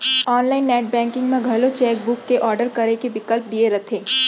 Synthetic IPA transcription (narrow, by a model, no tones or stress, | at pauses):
ɔːnlaːɪnːɛːʈ̚bɛ̃ːŋkɪ̃ŋɡmẽɡʱɐlot͡ʃɛːk̚bʊkːeʔɔːɾɖəɾkɐɾekebɪkəlp̚d̪ieɾɐt̪ʰẽː